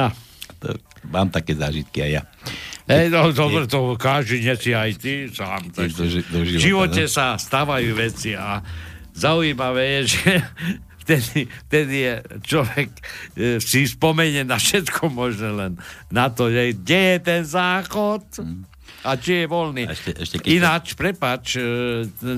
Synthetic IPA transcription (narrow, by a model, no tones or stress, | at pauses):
aat̪ɔ̰maːmt̪akɛːzaːʒit̪kia̰jja̰ɛjnɔd̪ɔbɾɛt̪ɔkaʒd̪iɲɛsiajt̪isaːmt̪ak̪d̪ɔʒiʒiʋɔcɛsast̪aːʋajuːʋɛt͡siazauiːmaʋɛːjɛʒɛ | ft̪ɛd̪ift̪ɛd̪ijɛt͡ʃlɔʋɛksispɔmɛɲɛnafʃɛt̪kʰɔmɔʒnɛlɛnːat̪ɔʒɛɡɟɛjɛt̪ɛnzaːxɔt̪ | at͡ʃijɛʋɔlniʃɛʃɛinat͡ʃpɾɛpat͡ʃ